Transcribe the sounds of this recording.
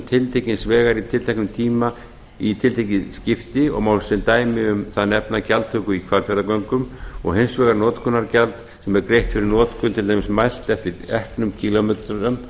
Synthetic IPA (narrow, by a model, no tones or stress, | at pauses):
t̪ʰɪlt̪ʰejcɪnsvɛːɣaɾit̪ʰɪlt̪ʰajknʏmt̪ʰiːma | it̪ʰɪlt̪ʰejcɪscɪft̪ɪɔ̰ɣmawsɛnt̪aːjmɪʏmθaðnɛpnacalt̪ʰœːkʏikʰvaɾfɛɾðakœŋkʏmɔ̰ɣhejnsvɛːɣaɾnɔːt̪kʰɔnaɾcalt̪ | sɛmɛɾkɾejht̪fɪɾɪɾnɔːt̪kʰʏnt̪ʰɪlt̪ʰajmɪsmajl̥t̪ɛft̪ɪɾɛhknʏmcʰilomɛt̪ɾʏm